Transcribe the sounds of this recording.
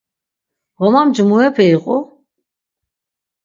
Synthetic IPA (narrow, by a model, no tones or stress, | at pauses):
ʁɔmamd͡ʒmuɛpʰɛiqʼɔ